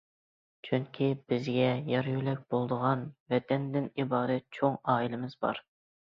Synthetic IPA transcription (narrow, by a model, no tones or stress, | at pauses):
t͡ʃʰyŋkʲʰibɪzɡʲɛjɑɾjylɛk̚ʲbolˠd̪əʁɑnvɛt̪ʰɛnd̪ɪnibɑːɾɛt̪̚t͡ʃʰoŋɑːilɪmɪzbɑ̰ɾ